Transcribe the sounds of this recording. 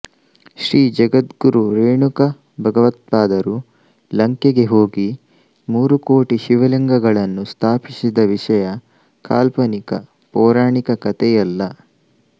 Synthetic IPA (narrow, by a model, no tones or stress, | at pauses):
ʃɾiːd͡ʒɐɡɐt̪ɡuɾuɾeːɳukɐ | bʱɐɡɐʋɐt̪̚paːd̪ɐɾu | lɐŋkeɡe̞ɦo̞ːɡi | muːɾukoːʈiʃiʋɐliŋɡɐɡɐɭɐnːust̪ʰaːpisid̪ɐʋiʂɐjɐ | kaːlpɐnikɐ̰ | pɔːɾaːɳikɐkɐt̪ɛjɐlːɐ